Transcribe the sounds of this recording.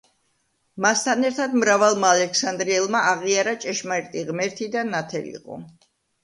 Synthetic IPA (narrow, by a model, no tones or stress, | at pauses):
mast̪ʰanɛɾt̪ʰad̪mɾavalˠmaːlɛkʰsand̪ɾiɛlˠmaaʁiaɾat͡ʃʼɛʃmaɾt̪ʼiʁmɛɾt̪ʰid̪anat̪ʰɛ̰lḭqʼɔ̰